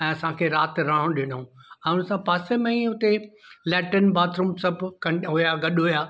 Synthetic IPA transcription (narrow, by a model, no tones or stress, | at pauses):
ɛ̃ːɐsãkʰeːɾaːt̪ɾaːɦõɗɪnũɛ̃ːʊnsãpaːsemẽĩɦʊt̪elɛːʈənbaːt̪ɾumsɐbʱkɐɦʊjaɡɐɗɦʊjaː